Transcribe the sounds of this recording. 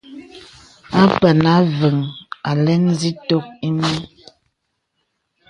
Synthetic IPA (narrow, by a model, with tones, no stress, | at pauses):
a˦pə˨na˨˦və˨ŋa˨lɛ˦n˦zi˦to˦k̚i˦mi˦